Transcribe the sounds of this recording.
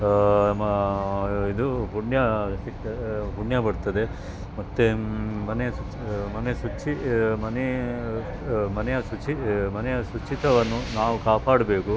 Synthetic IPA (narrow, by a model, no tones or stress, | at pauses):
id̪upuɳjɐsiɐpuɳjɐbɐɽt̪ɐd̪e | mɐt̪ːemɐnejɐsut͡ʃimɐnesut͡ʃimɐne | mɐnɛjɐsut͡ʃimɐnɛjɐsut͡ʃit̪ɐʋɐnːunaːʋukaːpaːɽɐbe̞ːku